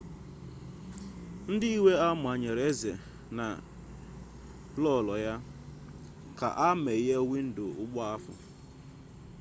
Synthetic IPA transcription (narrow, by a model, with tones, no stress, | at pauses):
n̩˦dɪ˦i˦we˦a˦m˨a˨ɲe˨ɾe˦zḛ˨ | na̰˨ | lɔ˦˨lɔ˨ja˦ | ka̰˨ʔa˦me˨˦je˦wi˦n̩˦dʊ˨ʊ˦ɡ͡bɔ˦a˦fʊ̰˨